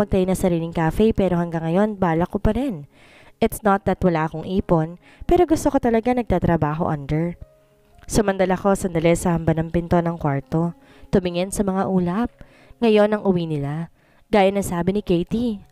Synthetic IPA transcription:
mɐɡ̚t̪ɐjonɐsɐɾiːlɪŋkafɛjpɛːɾo̞hɐŋɡɐŋːɐjo̞nbaːlɐkopɐɾɛn | ʔɪt̪snɐt̪̚d̪ɐt̪wɐlaːʔɐko̞ŋʔiːpo̞n | pɛːɾo̞ɡʊst̪oko̞t̪ɐlɐɡanɐɡ̚t̪aːt̪ɾɐbaːɦo̞ʔɐnd̪ɛɹ | sʊmɐnd̪ɐlɐko̞sɐnd̪ɐlɛsɐhɐmbanɐŋpɪnt̪o̞nɐŋkwaɹt̪o̞ | t̪ʊmɪŋɛnsɐmɐŋaʔuːlɐp̚ | ŋɐjo̞nɐŋʔʊwinɪla | ɡ̥aːjɐnːɐŋsaːbɪnɪkejt̪i

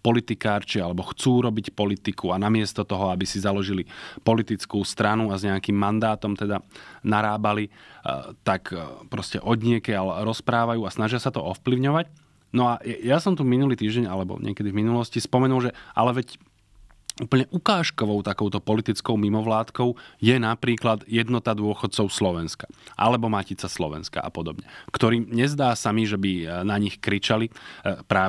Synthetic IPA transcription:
pɔlit̪ikaːɾt͡ʃialɛbɔxt͡suːɾɔbicpɔlit̪ikuanamɪɛst̪ɔt̪ɔɦɔabisizalɔʒilipɔlit̪it͡skuːst̪ɾanuazɲɛakimːand̪aːt̪ɔmt̪ɛd̪anaɾaːbali | t̪akpɾɔscɛ̰ʔɔd̪ɲɪɛkɛalɛɾɔspɾaːʋajuːasnaʒɪasat̪ɔɔfpliʊɲɔʋac | nɔajɛjasɔmt̪uminuliːt̪iːʒɟɛɲalɛbɔ̰ɲɪ̰ɛ̰kɛd̪ivminulɔscispɔmɛnulʒɛʔa̰lɛʋɛc | uːpl̩ɲɛʔukaːʃkɔʋɔʊt̪akɔʊt̪ɔpɔlit̪it͡skɔʊmimɔʋlaːt̪kɔʊjɛnapɾiːklad̪jɛd̪nɔt̪ad̪ʊɔxɔt̪̚t͡sɔʊslɔʋɛnskaʔa̰lɛbɔmacit͡saslɔʋɛ̰nska̰ʔa̰pɔd̪ɔbɲɛkt̪ɔɾiːmɲɛzd̪aːsamiʒɛbinaɲixkɾit͡ʃalipɾaː

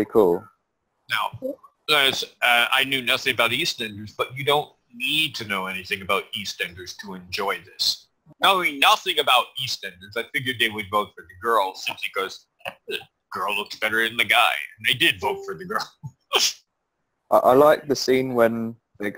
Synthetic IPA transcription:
ikʰulˠ | naʊ | sʌa̰ɪnjʉnʌθɪ̃ŋɨbaʊɾistɛ̃ndə˞zb̥ʌt͡ʃɨdõʊ̃nːid̚tʰɨnoʊɛniθɪ̃ŋɨbaʊɾistɛ̃ndə˞z̥tʰəɨ̃nd͡ʒɔɪðɪs | nainʌθɪ̃ŋɨbaʊɾistɛ̃ndə˞zaɪfɪɡjə˞d̪̚ðeɪwɨdvoʊtfə˞ðɨɡɜ˞lˠsɪ̃mpʰlikʌz̥ | ðɨ | ɡ̥ɜ˞lˠʊk̚tsb̥ɛɾə˞ɨ̃nðɨɡaɪɨ̃naɪdɪdvoʊtfə˞ðɨɡɜ˞lˠ | ʔaɪʔaɪlaɪk̚ðɨsĩnwə̃n | ðeɪ

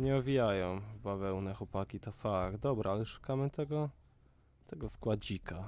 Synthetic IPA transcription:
ɲɛɔvʲijajɔ̃w̃vbavɛwnɛxwɔpakʲit̪ɔfaɡ̪̚d̪ɔbɾaalɛʂu̥kamɘt̪ɛɡɔ | t̪ɛɡɔskwad͡ʑikʰa

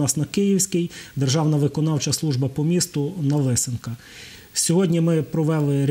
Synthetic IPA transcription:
ɑsnɐkɪjiwsʲkɪjd̪erʒɑwnɐʋɪkɔnɑwt͡ʃɐslˠuʒbɐpɔmʲist̪ʊnɐʋɪsɪnkɐ | sʲɔɦɔdʲnʲimɪpɾɔʋɛlˠɪɾʲ

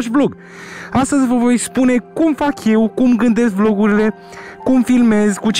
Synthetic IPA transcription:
ʃbloɡ | ast̪əzʲvəvo̞jspune̞kumfakje̞wkumɡɨnd̪e̞s̬k̚blo̞ɡuɾile̞ | kumfilme̞zkut͡ʃ

